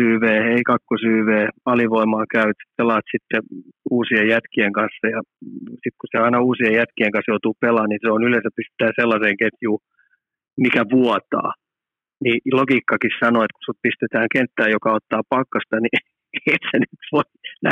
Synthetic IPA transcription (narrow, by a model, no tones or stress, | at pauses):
yːʋeːeikɑkːosyːʋeːɑliʋoimɑːkæyʋæt̪si̥pelˑːɑːst̪sit̪ːeuːsiejjæt̪kieŋkɑnsːɑjɑsik̪kuseɑinɑuːsiejjæt̪kieŋkɑsjout̪uːpelɑːnniseonylẽnsæppist̪e̥t̪æːnselːɑseːŋket̪juː | mikæʋuɔt̪ɑ̰ː | nilokiːkːɑkissɑnoet̪ku̥supist̪et̪æːŋkent̪ːæːjjokɑot̪ːɑːpɑkːɑst̪ɑni | et̪senyt̪ʋoinæ